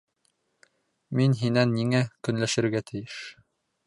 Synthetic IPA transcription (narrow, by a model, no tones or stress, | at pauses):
minɦinænːiŋækɵ̆nlæʃɘ̆ɾɡæt̪ʰɘ̆jɘʃ